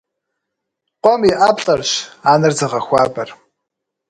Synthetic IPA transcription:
qʷʼɔmiʔaːpɬʼɐrɕaːnɨrzɐʁɐxʷaːbɐr

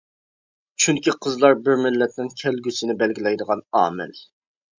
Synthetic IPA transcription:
t͡ʃʰyŋkʲiqʰəzlˠɑɾbɪɾmɪlːɛt̪nɪnkʲʰɛlɡʲysɪnɪbɛlɡʲilɛjd̪əʁɑnɑ̰ːmɪ̰l

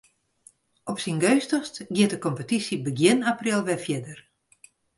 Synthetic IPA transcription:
ɔpsinɡøɥstɔstɡjɪtəkɔmpətisjibəɡjɪnaprɪlˠʋɛfjɛdər

